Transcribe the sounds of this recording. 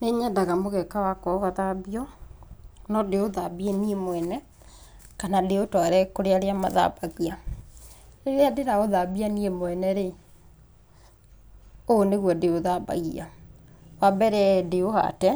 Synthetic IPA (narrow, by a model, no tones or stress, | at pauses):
neɲadaɣamoɣɛkawakwɔɣaðabiɔ | nɔdeoðabieniemwɛnɛ | kanadeotwaɾɛkoɾeaɾeama̰ða̰baɣia | eɾeadeɾaoðabianiemoɛnɛɾe | oːneɣwɔdeoðaba̰ɣia | wabɛɾɛdeoha̰tɛ